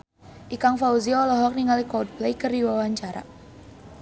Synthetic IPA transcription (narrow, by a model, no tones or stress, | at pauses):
ʔikaŋfauziɔlɔɦɔk̚niŋalikɔd̚blejkərdiwawaɲt͡ʃaɾa̰